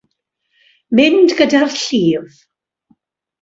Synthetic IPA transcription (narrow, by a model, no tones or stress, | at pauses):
mɪndɡədarɬiːv